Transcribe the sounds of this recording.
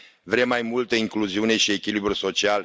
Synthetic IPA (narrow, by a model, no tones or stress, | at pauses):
vɾemːajmult̪əiŋkluziune̞ʃiekʲilibɾuso̞t͡ʃial